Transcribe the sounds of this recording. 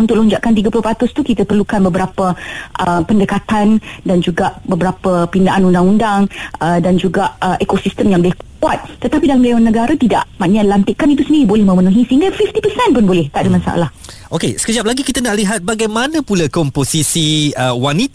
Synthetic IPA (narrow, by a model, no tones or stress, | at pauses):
unt̪ʊk̚lɔɲd͡ʒaʔkant̪̬iɡapulʊhpat̪ʊst̪ukit̪əpərlukanbəbəɾapəʔəpəndəkat̪andand͡ʒuɡaʔbəbəɾapəpindaʔanundaŋundaŋədand͡ʒuɡaʔəʔekosist̪əmjaŋbəlɪhkkuat̪̚t̪ət̪apidalamleanːəɡaɾat̪ida̰ʔmaʔɲalant̪ɪʔkanit̪̬usəndiɾibolɛhmə̃mənũɦisəɦĩŋɡafift̪ipəsɛnpʊnbolɛht̪aʔdəmasa̰ʔa̰lah | ʔokesə̥kəd͡ʒap̚laɡikit̪ənaʔliɦat̪̚baɡajmanə̃pulakɔmposisiəwani